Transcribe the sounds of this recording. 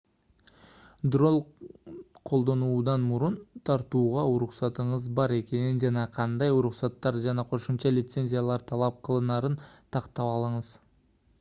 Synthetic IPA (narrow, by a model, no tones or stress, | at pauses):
d̪ro̞lˠ | qʰo̞lˠd̪ɑnud̪ɑnmʊɾʊnt̪ʰɑɾt̪uʁɑʊɾʊqsɑt̪əɴəzbɑɾe̞kʲe̞nɪnʒɑnɑqʰɑnd̪ɑjʊɾʊqsɑt̪ːɑɾʒɑnɑqʰo̞ʃəmʃɑlijt̪se̞nʲzʲijalˠɑɾt̪ʰɑlˠɑp̚qʰəlˠənɑɾənt̪ʰɑqt̪ɑpɑlˠəɴəz